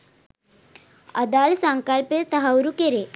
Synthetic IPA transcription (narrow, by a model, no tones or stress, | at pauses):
əd̪alsəŋkalpet̪əɦawɾukeɾe